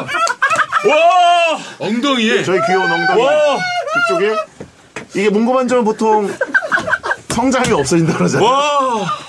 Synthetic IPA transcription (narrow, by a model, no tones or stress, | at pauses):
wa | ʌŋd̪oŋiet͡ɕʌikijonʌŋɡa | kuk̚t͡ɕ͈oɡe | iɡe̞moŋɡomand͡ʑʌŋɯp̬otʰoŋ | sʰʌŋd͡ʑaɦamjiʌp̚s͈ʌd͡ʑindakɯɾʌd͡ʑaa